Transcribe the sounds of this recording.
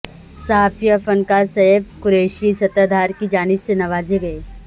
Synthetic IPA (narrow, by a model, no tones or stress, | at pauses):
sɐɦaːfijəfɐnkasɐɦəb̚kʊɾeːʃisɐt̪ad̪ʱaːɾkid͡ʒaːnɪbsenɐʋaːzeɡɐeː